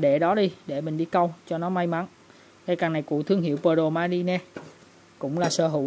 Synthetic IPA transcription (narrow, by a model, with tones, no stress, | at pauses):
ɗe˧˩ɗɔ˨˦ɗi˧ɗe˧˩mï˨˩ŋ̟ɗi˧kə˧wt͡ɕɔ˧nɔ˨˦ma˧jma˨˦n | ka˧jkaː˨˩na˨˩jkṵ˧˩t̪ʰɨ˧əŋɦḭ˧˨əwpəː˧ɗo˨˩maː˧li˧nɛ˧ | kʊ̰˧˥ŋ͡mlaː˨˩səː˧˩ɦṵ˧˩˨